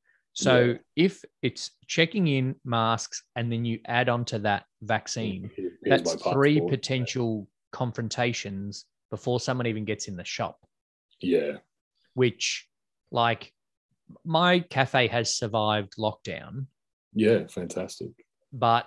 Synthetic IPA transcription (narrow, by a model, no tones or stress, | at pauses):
soʊɪfɨts | t͡ʃʰɛkɪ̃ŋɪ̃nmæsksɨ̃nðɨ̃njɨʔæɾ̃n̩tʰɨðɨt̚væksĩnðætθɹipʰɨtʰɛ̃nʃl̩ˠ | kʰɑ̃ɱfɹɨ̃ntʰeɪʃɨ̃nz̥ | b̥əfɔɹsʌ̃mwʌ̃ñivɨ̃nɡɛtsɨ̃nðɨʃɑ̰p̚ | jæ | wɪt͡ʃ | laɪk | maɪkʰæfeɪɨz̥sə˞vaɪvdˡlɔk̚d̥ã̰ʊ̃n | jæfæ̃ntʰæstɪ̰k | b̥ʌt̚